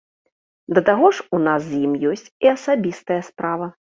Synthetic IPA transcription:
d̪ɐt̪aɣɔʂunas̬jimjɔsʲt͡sʲiɐsabʲist̪ɐjɐspɾavɐ

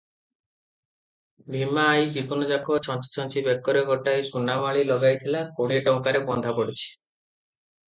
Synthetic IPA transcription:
bʱimaːjd͡ʒikunɔd͡ʒakɔt͡ʃʰɔnt͡ʃi̥t͡ʃʰɔnt͡ʃʰibekːɔɾeɡɔʈajt͡ʃunamaɭilɔɡajt̪ʰilakoɽ̃ieʈɔŋkaɾebɔnd̪ʱapɔɽit͡ʃʰi̥

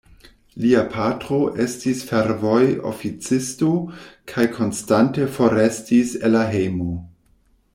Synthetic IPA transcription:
liapʰatɾo̞ʔe̞stisfeɾvojo̰fit͡sistokʰajkʰo̞nstante̞fo̞ɾestiselaɦejmo

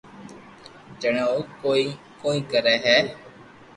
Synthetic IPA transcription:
d͡ʒəɳ̃eoːkoːiː | koːĩːkəɾɛːɦɛː

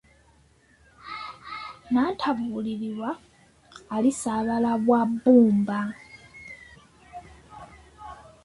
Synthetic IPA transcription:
nantʰaβuliliβwaː | lisaβalaβwabːuːmba

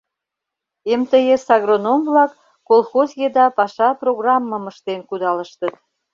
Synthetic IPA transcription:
emt̪əjesɑɣronomvlɑkː | olxozjed̪ɑpɑʃɑproɣrɑmːəməʃt̪enkud̪ɑləʃt̪ət̪

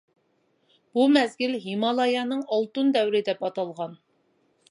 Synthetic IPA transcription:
b̥umɛzɡʲilɦimɑlˠɑjɑnɨŋɑlˠt̪und̪ɛwɾɪd̪ɛpɑt̪ɑlˠʁɑn

